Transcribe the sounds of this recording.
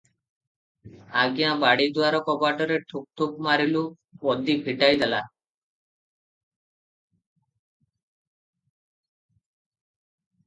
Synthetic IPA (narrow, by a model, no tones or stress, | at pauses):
aɡijãbaɽid̪uaɾɔkɔbaʈɔɾeʈʰuk̚t̪ʰuk̚maɾilu | ɔd̪ibʱiʈajd̪ela